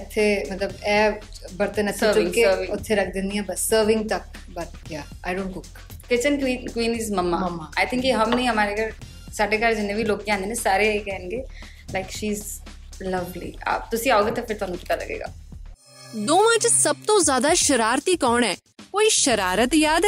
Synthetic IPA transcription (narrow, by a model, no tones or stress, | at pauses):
ɪt̪ʰːemɐt̪ləbɛː | bɐɾt̪ənɐt̪ʰːɾɪ̃ŋkeːʋɪʊt̪ʰːeɾɐk̚ʰd̪ɪ̃nd̪iɛ̃ːbəssəːɾʋɪ̃ŋɡ̚t̪ɐk̚ | bɐt̪jaː | a̰ɪɖõːɳʈɡʊk | kɪt͡ʃənkikwiːniːzməmːamɐmːaːaːɪt̪ʰɪ̃ŋkiɦɐmnĩɦɐmaːɾekəɾ | saːɖeːkəɾd͡ʒɪnːẽːbʱiloːɡ̚d͡ʒãːnd̪eːnẽsaːɾeːikɛɦənɡeː | laɪkʃiːz | lɐʋlḭːa̰ːb̚t̪ʊsĩaːoːɡeːt̪ãpʰɪɾt̪ʊaːnũːt͡ʃɪ̥t̪alə̰ɡḛːɡa̰ː | d̪oːmãːd͡ʒsəb̚t̪õːzjaːd̪aːʃəɾaːɾt̪iːkɔːnɛː | koːiːʃəɾaːɾət̪jaːd̪ɛ